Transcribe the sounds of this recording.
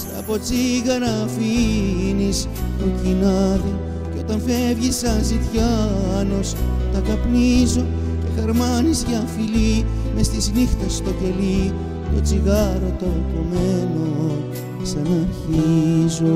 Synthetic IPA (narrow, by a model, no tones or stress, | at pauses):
sɐ̰po̞t͡siɣɐnɐfinis | pucinɐði | ceo̞t̪ɐnfe̞vʝisɐnzit̪çɐno̞st̪ɐkɐpnizo̞ | ce̞xɐɾmɐnizʝɐfili | me̞st̪isinixθɐst̪o̞ce̞li | t̪o̞̰t͡siɣɐɾo̞t̪o̞kome̞no̞ | sɐnɐɾçizo